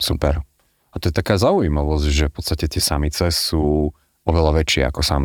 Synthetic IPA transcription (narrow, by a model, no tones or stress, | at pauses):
supɛ̰ɾ | at̪ɔjɛt̪akaːzaujimaʋɔzɟʒɛfpɔ̥t̪st̪acɛt̪ɪɛsamit͡sɛsuː | ɔʋɛlaʋɛt͡ʃɪɛ̰a̰kɔsam